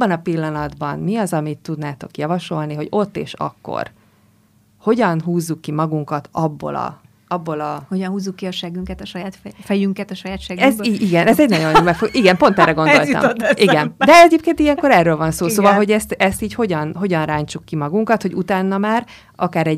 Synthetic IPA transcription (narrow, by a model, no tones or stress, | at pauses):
bːɒnɒpilːɒnɒd̪bɒnmiɒzɒmit̪ːud̪naːt̪o̞̰kjɒvɒʃo̞lniɦo̞ɟo̞t̪ːḛːʃɒ̰kːo̰r | ho̞ɟɒnɦuːzːukːimɒɡuŋkɒt̪ɒbːo̰lɒ̰ | ɒbːo̞lɒhoɟnɦuːzːukːiɒʃɛɡyŋkɛt̪ɒʃɒjaːt̪fɛjyŋkɛt̪ɒʃɒjaːt̪ʃɛɡɛziiɡɛnɛzɛɟnɒɟo̞nobɛfoʔiɡɛmpo̞nt̪ɛrːɛɡo̞nd̪o̞l̰mʔiɡɛnd̪ɛɛɟeːp̚keːnt̪ijɛŋko̞ɾɛrːøːlvɒnsoːsoːvɒlɦo̞ɟɛst̪ɛst̪iːcho̞ɟɒnɦo̞ɟɒnraːɲt͡ʃukːimɒɡuŋkɒt̪ho̞ɟut̪aːnːɒmaːr | ʔɒkaːɾɛɟ